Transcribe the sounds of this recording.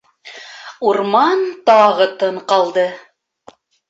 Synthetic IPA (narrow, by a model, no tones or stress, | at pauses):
uɾmɑnt̪ɑʁɤ̆t̪ɤɴqɑlˠd̪ɤ